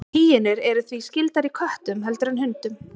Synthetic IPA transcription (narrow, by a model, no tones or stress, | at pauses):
hiːjɪnɪɾɛɾʏθviscɪlt̪aɾikʰœht̪ʏmɦɛlt̪ʏɾanɦʏnt̪ʏm